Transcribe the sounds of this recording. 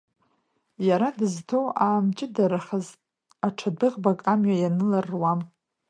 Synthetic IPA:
jaɾadɨztʰowaːmt͡ʃʼɪdaɾaχaz | aʈ͡ʂʰadɨʁbakʼamɥajanɨlarːwam

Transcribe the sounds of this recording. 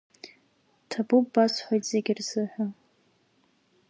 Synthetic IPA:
tʰabubbasħʷajtz̥eɡʲɪrz̥ɨħʷᶣa

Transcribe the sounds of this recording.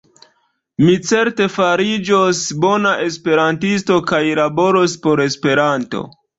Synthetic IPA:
mit͡se̞ɾte̞faɾid͡ʒosbo̞naʔe̞spe̞ɾantisto̞kajlabo̞ɾospo̞ɾe̞spe̞ɾanto̞̰

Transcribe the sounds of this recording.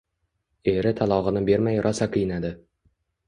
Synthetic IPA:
e̞ɾɪt̪ʰalˠɒʁɨnɪbe̞ɾmajɾʔɒsaqʰɨjɪnad̪ɪ

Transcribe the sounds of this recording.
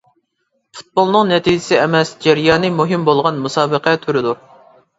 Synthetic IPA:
fu̥t̪̚bolˠnɨŋnɛt̪ʰid͡ʒɪsɪɛmɛsd͡ʒɛɾjɑːnɨmuɦɪmbolˠʁɑnmusɑːbəqæt̪ʰyɾɪd̪uɾ

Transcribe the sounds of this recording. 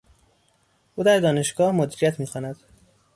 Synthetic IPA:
ʔuːd̪æɾd̪ɒːne̞ʃɡ̥ɒːhmod̪iːɾijæt̪ʰmiːxɒːnæd̪̥

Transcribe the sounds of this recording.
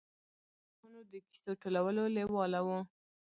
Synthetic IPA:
xunod̪əki̥soʈolawəlolewɑlawo

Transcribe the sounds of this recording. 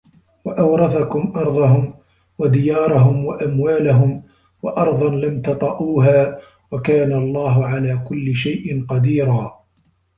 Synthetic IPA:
waʔawɾˤɑθakʊmʔɑɾˤðˤɑɦʊm | wad̪ɪjɑːɾˤɑɦʊmwaʔamwaːlaɦʊm | waʔɑɾˤðˤɑnlamt̪ɑt̪ˤɑʔuːɦaː | wakaːnalˤːɑːɦʊʕalaːkʊlːɪʃajʔɪnqɑd̪iːɾaː

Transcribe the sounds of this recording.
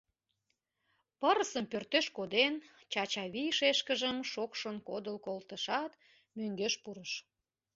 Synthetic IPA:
pəɾəsəmpørt̪øʃkod̪en | t͡ɕɑt͡ɕɑβijʃeʃkəʒəmʃokʃənkod̪əlkolt̪əʃɑt̪ | møŋɡøʃpuɾəʃ

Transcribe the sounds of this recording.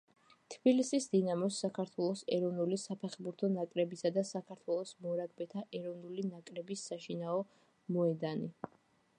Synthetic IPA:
t̪ʰbilisisd̪inamɔsːakʰaɾt̪ʰwɛlˠɔsɛɾɔvnulisapʰɛχbuɾt̪ʰɔnakʼɾɛbisad̪asakʰaɾt̪ʰwɛlˠɔsmɔɾaɡbɛt̪ʰaʔɛɾɔvnulinakʼɾɛbisːaʃinaɔ | mɔɛd̪ani

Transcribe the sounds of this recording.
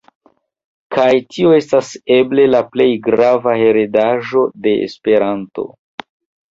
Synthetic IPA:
kʰajtioe̞stase̞ble̞laple̞jɡɾavahe̞ɾedaʒo̞de̞ḛspe̞ɾanto̞̰

